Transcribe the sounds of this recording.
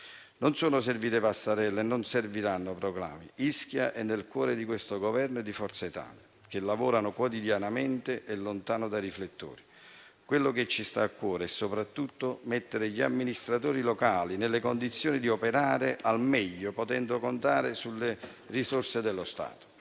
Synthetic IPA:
nonsoːnʊs̬erviːt̪epasːaɾɛlːenːʊnserviɾanːopɾɔɡla̰ːmḭisk̟jaʔɛnːelkwɔːɾed̪ikwest̪oɡɔvɛrnd̪ifɔrt̪sait̪a̰ːljak̟elːavɔːɾanʊkwɔt̪id̪janamɛnt̪ɪʔɛlːont̪aːnʊd̪ajriflet̪ːo̰ːɾi | kwelːʊket͡ʃːist̪aːkːwɔːɾeɛsːopɾat̪ːut̪ːomɛt̪ːeɾɪʎiamːinist̪ɾat̪oːɾilɔkaːlinelːekond̪it̪sːjoːnid̪iɔpeɾaːɾɪʔalmɛʎːopot̪ɛnd̪ʊkont̪aːɾɪsulːe | risorsed̪ɛlːʊst̪a̰ːt̪o̥

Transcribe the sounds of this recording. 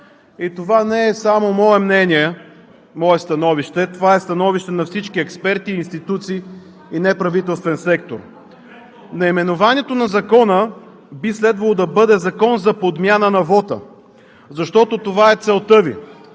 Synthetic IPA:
it̪ovanɛɛsamomɔɛmnɛniɛ | mɔɛst̪ɐnɔviʃt̪ɛt̪ovaɛst̪ɐnɔviʃt̪ɛnɐfsit͡ʃkiɛkspɛɾt̪iːnst̪it̪ut̪siː | inɛpɾɐvit̪ɛlˠst̪vɛnsɛkt̪o̰ɾ | nɐimɛnovanʲiɛt̪onɐzɐkɔnə | bislɛd̪vɐlˠod̪ɐbɤd̪ɛzɐkɔnzɐpod̪mʲjanənɐvɔt̪ə̰ | zɐʃt̪ɔt̪ot̪ovaɛt̪sɛlˠt̪ɤvḭ

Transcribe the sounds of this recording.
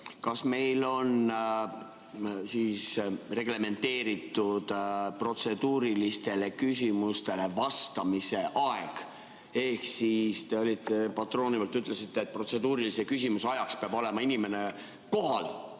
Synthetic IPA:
kɑsme̞jlo̞n | siːsre̞ɡ̥le̞me̞nt̪e̞ːɾit̪ːˑud̪̥pro̞t̪se̞d̪̥uːɾilist̪e̞le̞kys̬ʲimust̪e̞le̞vɑst̪ɑmise̞ʔɑeɡ̥ | e̞hksist̪e̞olʲit̪ːepɑt̪ro̞ːnivɑlt̪ːyt̪ːˑle̞sit̪ːe̞ːt̪̚pro̞t̪se̞d̪uːɾilise̞kysʲimusɑjɑkspeɑbo̞le̞mɑinime̞ne̞ | ko̞ɦɑl

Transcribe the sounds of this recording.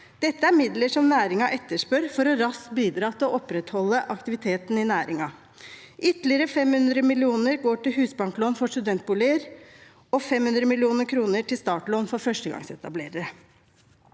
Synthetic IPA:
d̪̥ɛt̪ːəæɾmɪd̪ləʂɔmnæːɾɪŋɑʔɛt̪ːəʂpøɾfɔɾɔɾɑskbiːd̪ɾɑːt̪ʰɪlɔʔɔpːɾɛt̪hɔlːəʔɑkt̪ɪʋɪt̪ʰeːt̪nɪnæːɾɪŋɑ | ʔʏt̪lɪəɾəfɛmhʉnd̪ɾəmɪlɪuːnəɾɡoːʈɪlhʉːsbɑŋkloːnfɔʂʈʉd̪ɛnt̪̚buːlɪəɾ | ɔfɛmhʉnd̪ɾəmɪlɪuːnəɾkʰɾuːnəʈɪlst̪ɑːʈloːnfɔɾfœʂʈəɡɑ̰ŋsɛt̪ɑblḛːɾəɾə

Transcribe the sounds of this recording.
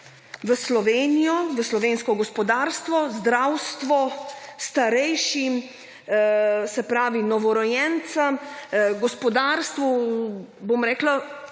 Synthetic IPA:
ʋəslɔʋeːnijɔʋəslɔʋeːnskɔɡɔspɔd̪aːɾst̪ʋɔzd̪ɾawst̪ʋɔst̪aɾɛjʃim | sɛpɾaːʋinɔʋɔɾɔjɛnt̪sɐmɡɔspɔd̪aːɾst̪ʋu | bomɾɛːkla

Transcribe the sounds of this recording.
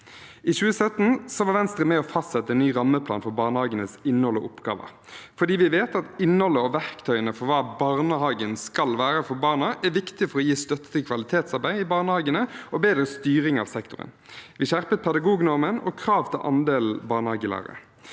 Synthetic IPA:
ɪʃʉːəsœt̪ːn̩sɔʋɑːʋɛnst̪ɾəmɛɔfɑst̪sɛt̪ːəɛnnyːɾɑmːəpʰlɑ̰ːnfɔbɑːʁnəhɑːɡənəsɪnːhɔlɔ̰ʔʊpɡɑ̰ːʋə̰ɾ | fɔd̪iːʋɪʋeːt̪ɑt̪ɪnːhɔlːəɔʋæʁkt̪ʰœʏənəfɔɾʋɑːbɑʁnəhɑːɡənskɑlʋæːɾəfɔɾbɑːʁnəʔæʋɪkt̪ɪfɔʁɔjiːst̪œt̪ːə̥t̪ʰɪlkʰʋɑlɪt̪ʰeːt̪sɑʁbæɪɪbɑːʁnəhɑːɡənəɔbeːd̪ɾəst̪yːʁɪŋɑ̰ʋsɛkt̪ʊʁə̰n | ʋɪʃæʁpət̪̚pʰɛd̪ɑɡuːɡnɔʁmənɔ̰kʰɾɑːʋt̪ʰɪlʔɑ̰nd̪eːlbɑːʁnhɑːɡəlɑ̰ɾə̰

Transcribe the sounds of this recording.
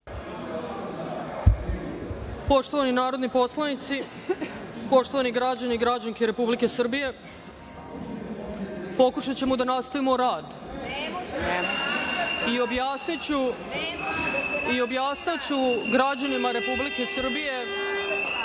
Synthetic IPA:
po̞ʂt̪oʋaninaːɾo̞d̪nipo̞slˠanit̪si | po̞ʂt̪o̞ʋaniɡɾad͡ʑaniɡɾad͡ʑaŋkeɾe̞publike̞sr̩bije̞ | po̞kuʃat͡ɕe̞mud̪anast̪aʋimo̞ɾaːd̪ | io̞bjaːsnit͡ɕu | io̞bjaːst̪at͡ɕuɡɾad͡ʑanimaɾe̞publike̞sr̩bije̞

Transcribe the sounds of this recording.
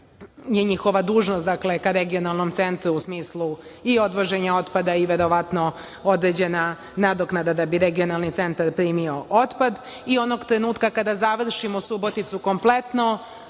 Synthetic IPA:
je̞ɲixo̞ʋad̪uːʒnost̪d̪akle̞kaɾeɡio̞nalˠno̞mt̪se̞nt̪ɾuusmiːslˠu | io̞d̪ʋo̞ʒe̞ɲao̞t̪pad̪aiʋe̞ɾo̞ʋat̪no̞ | o̞d̪ɾe̞d͡ʑe̞na | nad̪oknad̪ad̪abiɾeɡio̞nalnit̪se̞nt̪aɾpɾiːmio̞ʔot̪pad̪ | io̞no̞ɡt̪ɾe̞nuːt̪kakad̪azaʋr̩ʃimosubot̪it̪suko̞mple̞t̪no

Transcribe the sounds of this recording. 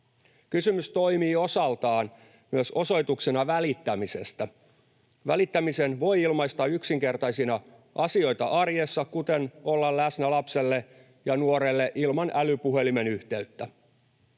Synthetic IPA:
kysymyst̪o̞imiːo̞sɑlt̪ɑːn | myøso̞so̞jt̪uksenɑʋælit̪ːæmise̞̰st̪æ | ʋælit̪ːæmise̞nʋo̞jilmɑist̪ɑyksiŋke̞rt̪ɑjsinɑ | ʔɑsio̞jt̪ɑʔɑrjesːɑkut̪e̞no̞lːɑllæsnælɑpselːe | jɑnuoɾe̞lːeʔilmɑnælypuɦe̞lime̞nyht̪e̞yt̪ːæ

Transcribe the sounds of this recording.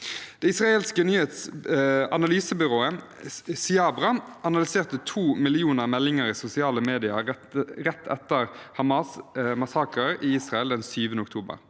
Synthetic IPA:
d̪̥ɛɪsʁɑeːlskənyːheːt̪s | ɑnɑlyːsəbʏʁoːə | sɪɑːbʁɑʔɑnɑlɪseːʁt̪ət̪ʰuːmɪlɪuːnəʁmɛlːɪŋəɾiːsʊsɪɑːləmeːd̪ɪɑ | ʁɛt̪ʰːɛt̪ːəʁhɑmɑːsmɑsɑːkəɾɪiːsʁɑɛld̪ɛnsyːʋənəʊkt̪ʰuːbə̰ʁ

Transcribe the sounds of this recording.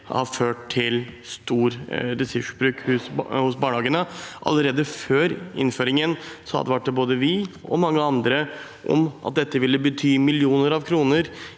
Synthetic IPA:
hɑ̰ɾføːʈt̪ʰɪlst̪uːɾɾɛsʉʂbɾʉːkhʉshʊs̬bɑːɳəhɑːɡənəʔɑ̰lːəɾeːd̪əføːɾɪ̰nføːɾɪŋənsɔhɑ̰d̪ɛʋæʈ̚d̪ɛboːd̪əʋɪɔ̰mɑŋːəɑnd̪ɾə | ʔɔ̰mɑ̰t̪̚d̪ɛt̪ːəʋɪlːəbət̪ʰyːmɪlɪuːnəɾɑʋkʰɾuːnəɾ

